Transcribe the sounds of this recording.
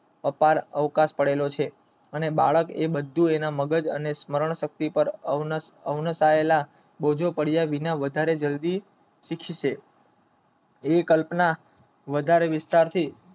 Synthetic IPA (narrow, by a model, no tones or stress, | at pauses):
əpaɾəʋkaspəɽelot͡ʃʰe | əneba̰ɭəkḛbəd̪ʱːuenaməɡəd͡ʒə̰nesməɾəɳ̃ʃək̚t̪ipəɾ | əʋnəsaela | bod͡ʒʱopəɽijaʋinaʋəd̪ʱaɾed͡ʒəld̪i | ʃikʰiʃe | ekəlpna | ʋəd̪ʱaɾeʋɪst̪aɾt̪ʰi